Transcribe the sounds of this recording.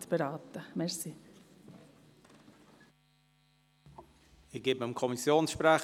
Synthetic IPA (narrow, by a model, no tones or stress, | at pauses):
tb̥eɾɑːt̪əmɛɾsi | ɪɡ̥ɪbməɪmkʰɔmisjoːnsʃpɾɛ